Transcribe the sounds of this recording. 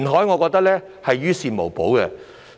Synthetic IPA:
nɦɔː˨˥jŋɔː˨˧kɔː˧k̚t̪ɐ˥k̚lɛː˥ | hɐ˨jɥyː˥siː˧nmo˨˩wpo˨˥wkɛ̰˧

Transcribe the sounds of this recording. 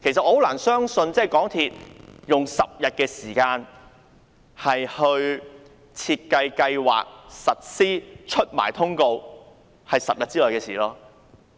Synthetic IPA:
kʰe˨˩jsɐ˨hwlaː˨˩nsœː˥ŋsɵ˧nt͡sɛː˥˨˩jkɔː˨˥ŋt̪ʰiː˨t̚jʊ˨ŋsɐ˨p̚jɐ˨t̚kɛː˧siː˨˩kaː˧n | hɐ˨jhɵ˧ɥ | t͡sʰiː˧t̚kɐ˧jkɐ˧jwa̰ː˨k̚sɐ˨t̚siː˥t͡ʃʰɵ˥t̚ma̰ː˨˩jt̪ʰʊ˥ŋko˧w | hɐ˨jsɐ˨p̚jɐ˨t̚t͡siː˥lɔː˨jkɛː˧siː˨˩lɔː˥

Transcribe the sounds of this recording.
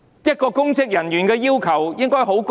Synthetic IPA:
jɐ˥t̚kɔː˧kʊ˥ŋt͡sɪ˥k̚jɐ˨˩njyː˨˩nkɛː˧jiː˥wkʰɐ˨˩wjɪ˥ŋkɔː˥jɦo˨˥wk

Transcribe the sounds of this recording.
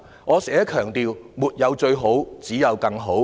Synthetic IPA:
ŋɔː˨˧sɛː˨˥kʰœː˨˩ŋt̪iː˨wmuː˨t̚jɐ˨˧wt͡ʃɵ˧ɥɦo˨˥wt͡siː˨˥jɐ˨˧wkɐ˧ŋɦo˨˥w

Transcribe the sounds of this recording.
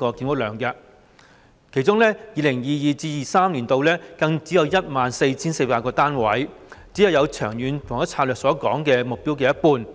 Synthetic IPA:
kɔː˧kiː˧nwʊ˥k̚lœː˨˩ŋkɐː˧ | kʰe˨˩jt͡sʊ˥ŋlɛː˥jiː˨˧lɪ˨˩ŋjiː˨˩jiː˨˩t͡siː˧jiː˨saː˥mliː˨˩nt̪o˧wlɛː˥kɐ˧ŋt͡siː˨˥jɐ˧wjɐ˥t̚maː˨˧nse˧jt͡sʰiː˥nse˧jpaː˧kɔː˧t̪aː˥nwɐ̰˨˥jt͡siː˨˥jɐ˨˧wjɐ˨˧wt͡ʃʰœː˨˩ŋjyː˨˧nt̪ʰŋɐ˥t͡sʰaː˧lœː˨ksɔː˨˥kɔː˨˥ŋkɛː˧mʊ˨k̚piː˥wk̬ɛː˧jɐ˥t̚puː˧n

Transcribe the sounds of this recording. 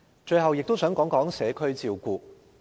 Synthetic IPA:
t͡ʃɵ˧ɥɦɐ˨wjɪ˨k̚t̪o˥wsœː˨˥ŋkɔː˨˥ŋkɔː˨˥ŋsɛː˨˥kʰɵ˥ɥt͡siː˧wkuː˧

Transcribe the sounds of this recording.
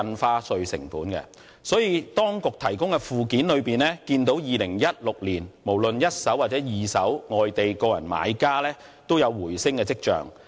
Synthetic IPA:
ɐ˧nfaː˧˥sɵ˨˧ɥsɪ̰˨˩ŋfuː˨˥nkɛ̰˧ | sɔː˨˥jiː˨˧t̪ɔː˥ŋkʊ˨k̚t̪ʰɐ˨˩jkʊ˥ŋkɛ˧fuː˨kiː˨˥nlɵ˨˧ɥpiː˨nlɛː˥kiː˧nt̪o˨˥wjiː˨lɪ˨˩ŋjɐ˥t̚lʊ˨k̚liː˨˩nmo˨˩wlɵ˨njɐ˥t̚sɐ˨˥waː˨t̚t͡sɛː˨˥jiː˨˩sɐ˨˥wŋɔː˨jt̪e˨jkɔː˧jɐ˨˩nma̰ː˨˧jkaː˥lɛː˥ | t̪o˥wjɐ˨˧wːuː˨˩jsɪ˥ŋkɛː˧t͡sɪ˥k̚t͡ʃœ̰ː˨ŋ

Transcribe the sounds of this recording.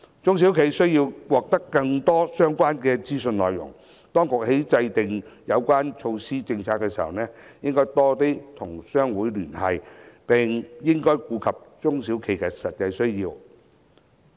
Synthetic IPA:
t͡sʊ˥ŋs̬i˨˥wkʰe˨˧jsɵ˥ɥjiː˧wwɔː˨k̚t̪ɐ˥kːɐ˧ŋt̪ɔː˥sœː˥ŋkʷaː˥nkɛː˧t͡siː˥sɵ˧nlɔː˨˩jjʊ̰˨˩ŋ | t̪ɔː˥ŋkʊ˨k̚he˨˥jt͡sɐ˧jt̪ɪ˨ŋjɐ˨˧wkʷaː˥nt͡ʃʰo˧wsiː˥t͡sɪ˧ŋt͡sʰaː˨t̚kːɛː˧siː˨˩hɐ̰˨wnɛː˥jɪ˥ŋkɔː˥jt̪ɔː˥t̪iː˥t̪ʰʊ˨˩ŋsœː˥ŋwuː˨˥jlyː˨˩nhɐ̰˨jpɪ˨˩ŋjɪ˥ŋkɔː˥jkuː˨˧kʰɐ˨p̚t͡ʃʊ˥ŋsiː˨˥wkʰe˨˧jkɛː˧sɐ˨t̚jɐ˧jsɵ˥ɥjiː˧w

